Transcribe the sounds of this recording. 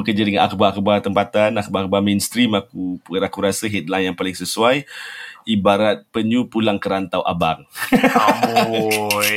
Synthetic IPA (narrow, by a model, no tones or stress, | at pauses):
əkəd͡ʒadəŋana̰kubaakubat̪əmpat̪anakubakubamenst̪ɾimakuɾakuɾasəɦɛt̪̚lajnjaŋpalɪŋsəsuajibaɾat̪̚pəɲupulaŋkəɾant̪awʔa̰baŋ